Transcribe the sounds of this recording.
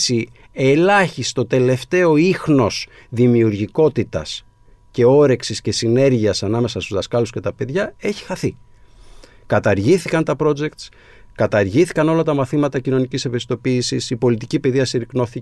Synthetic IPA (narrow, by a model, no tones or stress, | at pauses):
si | e̞lɐçist̪o̞t̪e̞le̞ft̪e̞o̞ixno̞s | ðimiuɾʝiko̞t̪it̪ɐ̰s | ce̞o̞ɾe̞ksisce̞sine̞ɾʝiɐsɐnɐme̞sɐst̪uzðɐskɐlusce̞t̪ɐpe̞ðʝɐe̞çi̥xɐθi | kɐt̪ɐɾʝiθikɐnt̪ɐpɾo̞d͡ʒe̞kt̪s | kɐt̪ɐɾʝiθikɐno̞lɐt̪ɐmɐθimɐt̪ɐcino̞nicisepest̪o̞piːsisipo̞lit̪̬icipe̞ðiɐsiɾikno̞θi